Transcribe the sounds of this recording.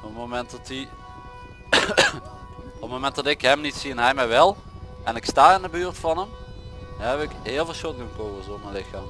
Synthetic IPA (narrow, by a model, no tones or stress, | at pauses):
oəmomɛntti | ɔpmomɛnt̚dɑtɪkɦɛmnitsiɛnɦɛjmɛjʋɛlˠ | ʔɛnɪkstaːɪndəbyːrtfɑnəm | ɛpɪkɦɪːlˠvɪlˠʃotɡənkoəzomənlɪxaːm